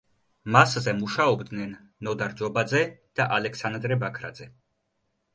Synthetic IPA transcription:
maszɛmuʃaɔbd̪nɛnː | ɔd̪aɾd͡ʒɔbad̪zɛd̪̥aʔalɛksand̪ɾɛbakʰɾa̰d̪zɛ

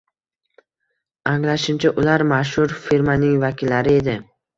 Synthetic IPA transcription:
aŋlaʃɪmt͡ʃʰaʔʊlaɾmaʃ̬hʊɾfiɾmanɪŋvakʲʰɪlːaɾɪe̞d̪ɪ

